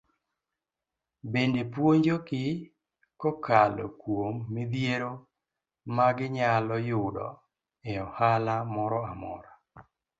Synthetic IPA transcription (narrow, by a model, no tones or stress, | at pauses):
bendepwoɲd͡ʒokɪ | kɔkalɔ̰kwomːɪd̪jeɾo | maɡɪɲalɔjʊdɔ̰ | eɔhalamɔɾɔamɔ̰ɾa